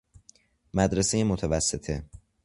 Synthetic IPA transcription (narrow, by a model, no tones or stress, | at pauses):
mæd̪ɾesejemot̪ʰævæsːet̪ʰe